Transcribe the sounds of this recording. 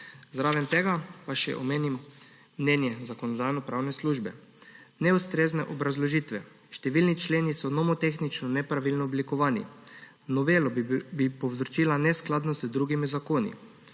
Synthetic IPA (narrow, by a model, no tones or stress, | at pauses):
zɾaʋɛnt̪eɡapaʃɛ̰ʔɔmeːnim | mnʲɛːnjɛzakonɔd̪aːjnɔpɾawnɛsluːʒbɛ | nɛust̪ɾeːznɛʔobɾazlɔʒiːt̪ʋɛ | ʃt̪ɛʋiːlnit͡ʃleːnisɔnɔmɔt̪exnit͡ʃnɔnɛpɾaʋilnɔːblikɔʋaːnḭ | nɔʋeːlɔbipɔwzɾt͡ʃiːlanɛsklaːd̪nɔzəd̪ɾuːɡimizakoːnḭ